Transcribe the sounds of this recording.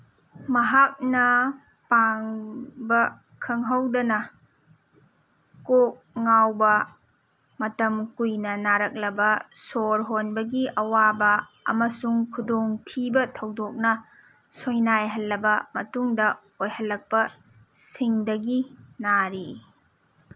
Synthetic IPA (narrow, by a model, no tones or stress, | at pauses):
mɐɦak̚nɐ | paŋbɐ | kʰɐŋɦɐwdɐnɐ | kok̚ŋawbɐ | mɐtɐmkujnɐnaɾɐk̚lɐbɐsoɾɦonbɐɡiʔɐwabɐ | ɐ̰mɐsuŋkʰudoŋtʰibɐtʰɐwdok̚nɐ | sojnajɦɐlːɐbɐmɐtuŋdɐ | ojhɐlːɐk̚pɐ | siŋdɐɡinaɾi